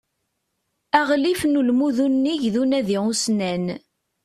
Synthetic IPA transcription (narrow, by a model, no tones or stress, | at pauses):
æʁlifnulmuðunːiʝðunæðiʁusnæn